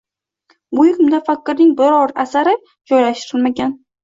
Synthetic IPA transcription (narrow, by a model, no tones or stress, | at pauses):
bʊjɪkʲʊmd̪afakʲːɪɾnɪŋbɪɾɒɾasaɾɪ | d͡ʒɒjlaʃt̪ɪɾɪlmaɡʲan